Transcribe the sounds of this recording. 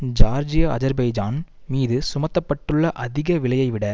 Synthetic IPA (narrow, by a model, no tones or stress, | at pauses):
d͡ʒaːɾd͡ʒɪjɐɐzɐɾbɐjd͡ʒaːn | miːðɯsʊmɐt̪ːɐpːɐʈːɯɭːɐʔɐðɪɣɐʋɪɭɐjɐɪʋɪɽɐ